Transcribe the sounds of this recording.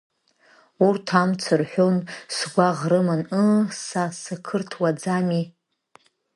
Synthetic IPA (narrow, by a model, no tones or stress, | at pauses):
urtʰamt͡sʰɨrħʷᶣonsɡʷaʁrɨmɨnɨsasɨkʰɨrtʰwad͡zami